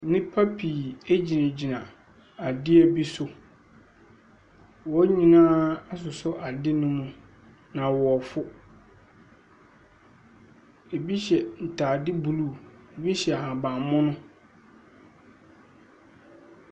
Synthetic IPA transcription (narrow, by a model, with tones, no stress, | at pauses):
nɪ̃˦pʰa˦pʰi˨e˦d͡ʑi˨nã˨d͡ʑi˨nã˨ | a˨dɪ˦ɛ˨bi˦sʊ˦ | wɔ˨˦ɲĩ˨nãː˦a˦s̬ʊ˨sʊ˦ʔa˨dɪ˦nʊ̃˦mũ˦ | nã˨wɔ˨ɔ˨fʊ˦ | e˨bi˦ɕɛ˨n̩˨tʰaː˨dɪ˦bu˨lu˦˨e˨bi˦ɕɛ˨a˨hã˨bã˨mʊ̃˦nʊ̃˦